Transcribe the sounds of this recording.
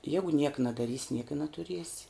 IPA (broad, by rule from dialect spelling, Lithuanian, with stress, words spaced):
ˈjæːɡʊ nʲiɛk nɐdɐˈrʲiːsʲɪ nʲiɛk ɪ nɐtʊˈrʲiɛsʲɪ